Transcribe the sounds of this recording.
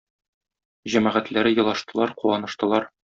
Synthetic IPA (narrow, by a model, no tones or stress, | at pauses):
ʑæmæʁæt̪læɾɘjɤ̆lˠɑʃt̪ɤ̆lˠɑɾquwɑnɤ̆ʃt̪ɤ̆lˠɑɾ